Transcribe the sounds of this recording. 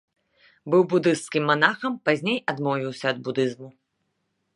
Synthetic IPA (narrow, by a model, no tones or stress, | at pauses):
bɨwbud̪ɨst̪skʲimːanaxɐmpazʲnʲejad̪mɔvʲiwsʲɐːd̪̚bud̪ɨzmu